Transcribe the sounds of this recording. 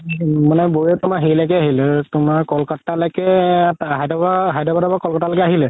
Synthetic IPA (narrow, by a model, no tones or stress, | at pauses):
manɛboɹɛtʊmaɦelakɛaɦilɛtʊmaɹkɔlkɔtːalɔkɛɦajdɔbaɦajdɔbadabakɔlkɔtalɔkɛaɦilɛ